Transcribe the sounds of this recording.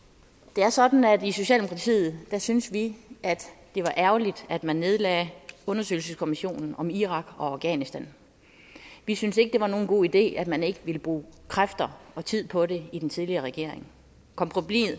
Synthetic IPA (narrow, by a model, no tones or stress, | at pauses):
d̥e̝æɐsɒ̽d̥n̩æd̥iso̝ɕɛ̰ːldemokʰɑ̈t͡sʰḭːð̞̩ˠd̥æsynsʋiʔæd̥ːe̝ʋɑ̈ʔæɐʊlid̥æd̥mænːe̝ð̞ˠlɛ̰ːɔ̽nɐsø̰ɪl̩səskʰo̝miɕo̝̰ːnn̩ɒ̽miʁɑ̈ɡ̥ɒ̽ɑ̈ʊɡ̥ɛ̰ːnisd̥æn | ʋisynse̝ɡ̥əd̥e̝ʋɑ̈no̝ːn̩ɡ̥o̝̰ːid̥e̝̰ːæd̥mæne̝ɡ̥əʋiləb̥ʁṵːkʰʁafd̥ɐɒ̽t͡sʰið̞̰ˠpʰɒ̽ɾe̝id̥ent͡sʰiðˠliɐʁɛɡ̥e̝ɐ̰e̝ŋ | kʰɒ̽mpʰʁoblḭð̩ˠ